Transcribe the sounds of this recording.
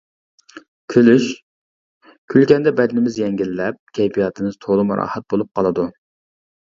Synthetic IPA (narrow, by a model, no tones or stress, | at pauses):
kʲʰylyʃ | kʲʰylkʲɛnd̪ɛbɛd̪ɪnɪmɪzjɛŋɡʲilːɛp̚kʲʰɛjpijɑt̪ʰɨmɪzt̪ʰoʁlˠʊmɾɑ̰ːhɛt̪̚bolˠup̚qʰɑlˠɨd̪u